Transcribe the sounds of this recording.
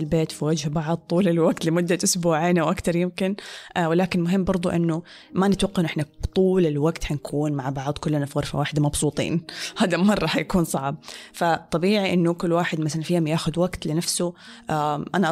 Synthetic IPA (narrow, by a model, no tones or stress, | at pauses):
ɪlbeːt̪fiwad͡ʒhbɑʕd̪̚ˤt̪ˤːuːlɪlwaɡt̪lɪmʊd̪ːaʔʊsbuːʕiːnʔawʔakt̪ɑɾˤjɪmkɪnwɪlaːkɪnmʊɦɪmːbɑɾˤd̪ˤʊ̰ʔɪnːʊ | manɪt̪waqːɑʔɪnʔɪħnat̪ˤuːlɪlwaɡt̪hankʰuːnmaʕbɑʕd̪ˤkʊlːnafɣɑɾfa̰waːħɪd̪amɑbsˤuːt̪ˤḭːnhaːd̪amɑrˤːɑhajakuːnsˤɑʕb̚fat̪ˤːɑbiːʕiʔɪnːʊkʊlːwaːħɪd̪masalanfiːhʊmjaːxʊd̪waɡt̪lɪnafsʊʔaʔanaʔ